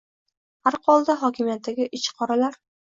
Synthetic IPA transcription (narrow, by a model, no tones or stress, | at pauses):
aɾqʰɒlˠd̪aɦɒkʲɪmijat̪ʰːaɡʲɪʔɪt͡ʃqʰɒɾalaɾ